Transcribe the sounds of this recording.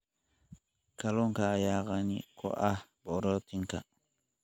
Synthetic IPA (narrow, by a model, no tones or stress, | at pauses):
kalɔŋkajaːɣanikʰɔ̰ʔabɔɾɔtiŋka